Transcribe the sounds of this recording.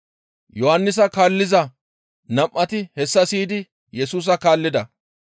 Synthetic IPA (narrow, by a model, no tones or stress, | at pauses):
jɔhɐnːɪs̬ɐkaːlːɪzɐ | nɐmʔːɐt̪ɪhɛsːɐsiːd̪ɪ | jɛsuːs̬ɐkaːlːɪd̪ɐ